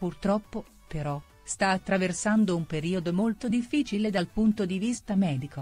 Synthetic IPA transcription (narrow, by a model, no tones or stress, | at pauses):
purt̪ɾɔpːo | peɾɔ | st̪aːt̪ːɾaversand̪oumpeɾiːod̪omolt̪od̪ifːiːt͡ʃiled̪alpunt̪od̪ivist̪amɛːd̪iko